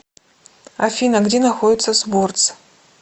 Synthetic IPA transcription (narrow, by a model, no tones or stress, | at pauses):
afʲinɐɡdʲenaxodʲɪt̪sːɐsbortt͡s